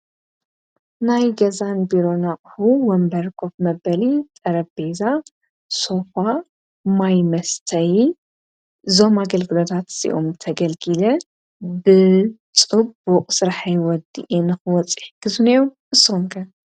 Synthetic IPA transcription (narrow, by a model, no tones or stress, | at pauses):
najɡɐzanbiɾo̞naχʼħuwɔmbɐɾkʰo̞fmɐbɐlit̪ʼɐɾɐbbeza | so̞fa | majmɐst̪ʰɐj | zo̞maɡɐlɡɨlo̞t̪ʰat̪sḭʔo̰mt̪ʰɐɡɐlɡɨlɐ | bɨt͡sʼɨbuqʼsɨɾħajwɔd̪ḭʔenɨxɨwɔt͡sʼiħɡɨzunejomʔɨsːoumkʰɐ